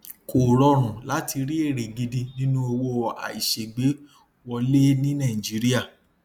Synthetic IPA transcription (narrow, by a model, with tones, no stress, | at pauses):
koː˨ɾɔ˨˦ɾ̃ũ˨la˨˦ti˧ɾi˦e˦˨ɾe˨ɡi˧di˧nĩ˦nũ˦o˧wo˦a̰˨i˨ʃe˨ɡ͡be˨˦ | wɔ˧le˦nĩ˦nã˦˨i˨d͡ʒi˨˦ɾi˦a˦˨